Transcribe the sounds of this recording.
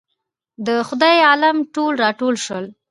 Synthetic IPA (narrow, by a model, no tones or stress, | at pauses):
d̪əxʊd̪ɑjɑlamʈolɾɑʈolʃwəl